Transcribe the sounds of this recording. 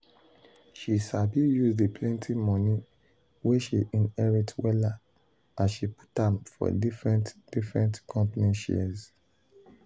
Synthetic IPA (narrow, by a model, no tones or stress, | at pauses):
ʃisabijuzdipʰlɛ̃ntʰimɔ̃ni | weʃiʔĩnɛɹitʰwɛla | ʔasʃipu̥tãmfɔ̰difɹɛ̃ntd̥ifɹɛ̃ntkʰɔ̃mpaniʃɛ̰z